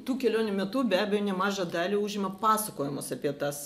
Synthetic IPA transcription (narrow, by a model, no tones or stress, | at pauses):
t̪uːkʲɛlʲoːnʲʊmʲɛt̪ʊbʲæːbʲɛjoːnʲɛmɑːʒɐd̪ɑːlʲiuːʒʲɪmɐpɑːsɐkoːjɛmoːsɐpʲiɛt̪ɐs